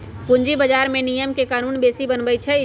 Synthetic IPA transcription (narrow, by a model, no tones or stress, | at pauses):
pʊɲd͡ʒibəd͡ʒaːɾmẽnijəmkekaːnuːnbeːsibənbəjt͡ʃʰɛ